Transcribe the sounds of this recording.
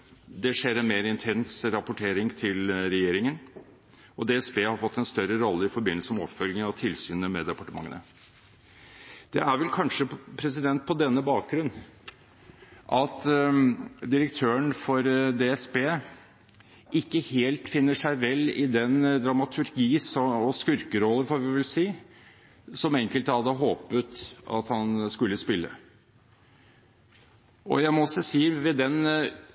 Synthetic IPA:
d̪ɛʂeːɾɛnmeːɾɪnt̪ʰɛnsɾɑpʊʈʰeːɾɪŋt̪ʰɪlɾɛjeːɾɪŋən | ɔd̪eːɛsbeːhɑɾfɔt̪ːɛnst̪œɾəɾɔlːəɪfɔɾbɪnəl̩səmɛɔ̰pfœlɡəɑt̪ʰɪlsyːnəmɛd̪ɛɑpɑʈəmɑ̰ŋːə̰nə̰ | d̪̥ɛæɾʋɛlkʰɑnʂəpʰɾɛs̬ɪd̪ɛnt̪̚pʰɔd̪ɛnːəbɑːk̚ɡɾʉnː | ʔɑt̪ | d̪ɪɾək̚t̪ʰøːəɳfɔɾd̪eːɛsbeː | ʔɪkːəheːlt̪fɪnːəʂæɪʋɛlːɪd̪ɛnd̪ɾɑmɑt̪ʰʉɾɡiːsɔɔskʉɾkəɾɔlːənfɔɾʋɪʋɪlsiː | sɔmɛŋkəlt̪hɑd̪ːəɦoːpət̪ɑ̰t̪hɑnskʉlːəspɪlːə̰ | ɔ̰jæɪmɔɔsːɔsiːʋɛd̪ɛn

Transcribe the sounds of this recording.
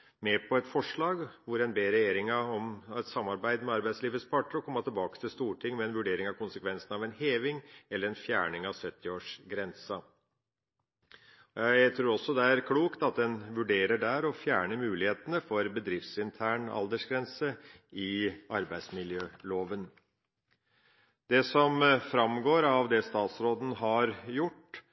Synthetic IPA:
mɛːpʰɔɛt̪fɔʂɭɑːɡʋʊɾɛnbeːɾɛjeːɾɪŋəɔmɛt̪sɑmːɑɾbæɪd̪mɛɑɾbæɪsliːʋəspʰɑʈəɾɔkʰɔmːɑt̪ʰɪlbɑːkə̥t̪ʰɪlst̪uːʈʰɪŋːmɛːnʋʉɖeːɾɪŋɑʋkʊnsəkʰʋɛnsənɑʋɛnheːʋɪŋɛlːəɾɛnfjæːɳɪŋɑʋsœt̪ːɪoːʂɡɾɛnsɑ | ɔjæɪt̪ʰɾuːɾɔsːɔd̪ɛæɾkʰluːkt̪ɑt̪̚d̪ɛnʋʉɖeːɾəɖæɾɔfjæːɳəmʉːlɪheːt̪ənəfɔɾbəd̪ɾɪft̪sɪnt̪ʰæːɳɑ̰ld̪əʂɡɾɛnsəɪɑɾbæɪd̪smɪljøːloːʋən | d̪̥ɛsɔmfɾɑmɡoːɾɑʋd̪ɛst̪ɑːt̪sɾoːd̪n̩ɦɑɾjʊʈː

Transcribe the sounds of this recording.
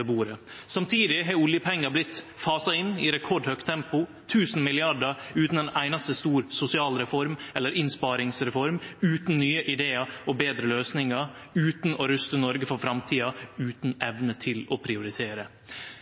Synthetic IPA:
əbuːɾə | sɑmt̪ʰiːd̪ɪɦɑʊljəpʰɛŋːɑblɪt̪ː | fɑːsɑɪnːɪɾɛkʰɔɖhœkt̪ʰːɛmpʊ | t̪ʰʉːsn̩mɪlɪɑɖəʉːt̪n̩d̪ɛnæɪnɑst̪əst̪uːɾsʊsɪɑːlɾɛfɔɾmɛlːəɾɪnspɑːɾɪŋsɾɛfɔɾmʉːt̪n̩nyːəʔɪd̪eːɑɔbeːd̪ɾəløːsnɪŋɑ | ʉːt̪nɔɾʉst̪ənɔɾɡəfɔɾfɾɑmt̪ʰiːɑʉːt̪nɛʋnət̪ʰɪlɔpʰɾɪʊɾɪt̪ʰeːɾə

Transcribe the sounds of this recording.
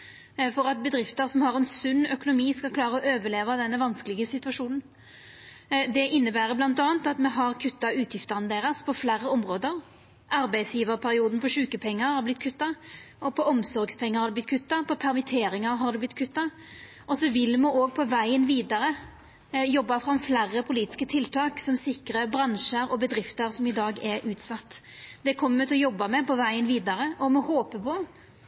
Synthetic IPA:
fɔʁɑt̪̚bəd̪ɾɪft̪əɾsɔmhɑʁɛnsʉnːœkʊnʊmiːskɑlkʰlɑːɾəɔøːʋəɭeːʋɑd̪ɛnːəʋɑnskəlɪɡəsɪt̪ʉʋɑʂuːnn̩ | d̪ɛʔɪnːəbæːɾəblɑnt̪ɑːnt̪ɑt̪mɛɦɑʁkʰʉt̪ːɑʉːt̪ʰjɪft̪əʁnəd̪eːʁəspʰɔflæɾːəɔmʁoːd̪əʁ | ʔɑɾbæɪd̪sjiːʋəʁpʰæɾɪuːd̪n̩pʰɔʂʉːkəpʰɛŋːəʁhɑɾblɪt̪̚ːkʰʉt̪ːɑ | ɔpʰɔɔmsɔɾɡspʰɛŋːɑɾhɑɾd̪ɛb̪ɪt̪kʰʉt̪ːɑpʰɔpʰæɾmɪt̪ʰeːɾɪŋəɾɦɑɾd̪ɛblɪt̪̚kʰʉt̪ːɑ | ʔɔsɔʋɪlmɔoːɡ̚pʰɔʋæɪənʋiːd̪ɑɾə | jɔbːɑfɾɑmflæʁːəpʰʊliːt̪ɪ̥skət̪ʰɪlt̪ʰɑːksɔmsɪkɾəbɾɑnʃəɾɔbəd̪ɾɪft̪əɾsɔmɪd̪ɑːɡɛɾʔʉːt̪sɑt̪ːd̪̥ɛkʰɔmːəmət̪ɪlɔjɔbːɑmɛpɔʋæɪənʋiːd̪ɑɾəʔɔmɔhoːpəpʰɔ

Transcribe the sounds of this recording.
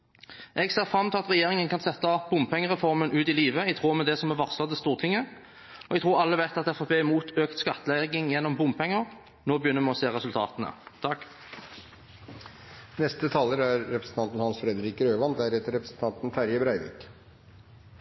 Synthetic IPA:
ʔɛɡseːʁfɾɑmːt̪ɪlɑt̪ʁɛjeːʁɪŋənkʰɑnsɛt̪ːɑb̥ʊmpʰɛŋːəʁɛfɔʁmənʔʉːt̪ɪliːʋəɛɡt̪ʰʁuːɾmɛd̪ɛsɔmæʋɑʁsɑd̪əst̪uːʁt̪ʰɪŋːə | ɔɛɡ̚t̪ʁuːɾɑlːəʋæɪt̪ɑt̪ɛfɑpʰeːɪmuːt̪øːkt̪skɑt̪ːəlɛɡɪŋjɛnːɔmbʊmpʰɛŋːəʁ | noːbəjʏnːəɾmɛɔseːʁɛsʉlt̪ʰɑ̰ːt̪ənə̰t̪ʰɑk | nɛst̪ət̪ʰɑːləɾæɾːɛpɾəsn̩t̪ʰɑnt̪n̩hɑnsfɾɛd̪əɾiːkəɾøːʋɑnd̪æɾɛːt̪əɾɛpɾəsn̩t̪ʰɑnt̪n̩fæɾjəbɾæɪʋɪ̰k

